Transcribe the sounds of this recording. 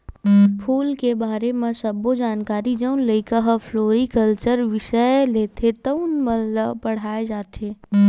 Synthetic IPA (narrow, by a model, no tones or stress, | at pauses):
pʰuːlkebaːɾemẽsɐbod͡ʒaːnkaːɾid͡ʒəʊnləikaɦafʰloːɾikəlt͡ʃəɾʋɪʃəleːt̪ʰet̪ɐnməlːapɐɽ̤aːed͡ʒaːt̪ʰeː